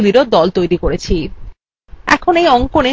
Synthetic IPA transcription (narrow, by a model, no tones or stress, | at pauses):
liɾod̪ɔlt̪ojɾikoɾet͡ɕʰi | ɛ̰kʰonejɔŋkone